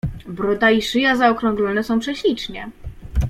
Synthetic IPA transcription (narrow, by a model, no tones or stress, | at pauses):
bɾud̪aiʂɘjazaɔkɾɔ̃ŋɡlɔnɛsɔ̃w̃pʂɛɕlʲit͡ʂɲɛ